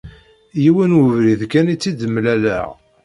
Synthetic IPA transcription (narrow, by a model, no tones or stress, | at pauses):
jiwənwəvɾiðkænit͡sːid̪əmːlælæ̰ʁ